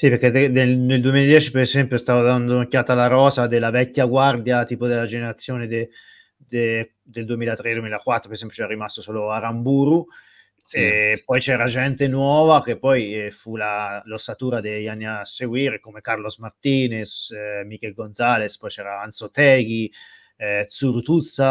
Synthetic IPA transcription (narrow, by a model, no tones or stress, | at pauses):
sipeɾked̪d̪eneld̪uemilad̪jɛːt͡ʃi̥peɾezɛmpjost̪avad̪and̪onokjaːt̪alaɾɔːzad̪elavɛkʲːaɡward̪jat̪iːpod̪elːad͡ʒeneɾat̪sːjoːned̪e | d̪e | d̪eld̪uemilad̪ɾed̪uwemilakwat̪ːɾopeɾesɛmpjot͡ʃɛɾaɾimast̪osoːloaɾambuːɾu | epːɔjt͡ʃɛːɾad͡ʒɛnt̪enwɔːvak̟epːɔjfulalosat̪uːɾad̪ejanːiaseɡwiɾkomekarlosmart̪iːnesmik̟ɛlɡonzalespɔjt͡ʃɛːɾaant̪sot̪ɛːɡ̟i | t̪suɾut̪ut̪sːa